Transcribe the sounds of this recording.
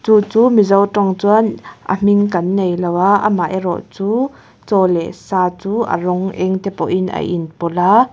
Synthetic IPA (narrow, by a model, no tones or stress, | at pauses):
t͡suːt͡suːmizɔwtɔŋt͡suənʔə̰m̥iŋkɐnːejlɔwaʔə̰maʔɛɾɔ̰ʔt͡suː | t͡sɔlɛsaːt͡suːʔə̰rɔŋʔɛŋt̪ɛpɔ̰ʔinɐ̰ʔḭnpɔla